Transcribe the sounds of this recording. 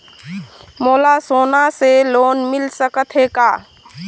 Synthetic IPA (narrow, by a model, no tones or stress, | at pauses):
moːlasoːnaseloːnmɪlsəkət̪ɦekaː